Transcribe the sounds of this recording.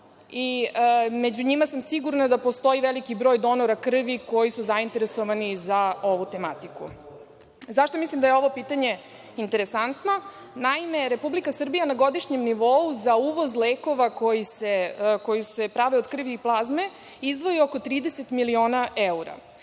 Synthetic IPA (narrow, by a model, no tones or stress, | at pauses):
i | med͡ʑuɲimasamsiɡuɾnad̪apo̞st̪o̞iʋelikibɾo̞ːjd̪o̞noɾakr̩ʋiko̞jisuzaint̪e̞ɾesoʋanizao̞ʋut̪e̞mat̪ikṵ | zaʃt̪o̞mislimd̪ajeo̞ʋopiːt̪aɲe̞ | int̪eɾesant̪no̞ | naime̞ɾepublikasr̩bijanaɡo̞d̪iʃɲemniʋo̞uzauːʋo̞zleːko̞ʋako̞jiseko̞juse̞pɾaʋeod̪kr̩ʋiːplˠazme̞ | izd̪ʋo̞ioko̞t̪ɾiːd̪eset̪milio̞ːnaʔeuɾa̰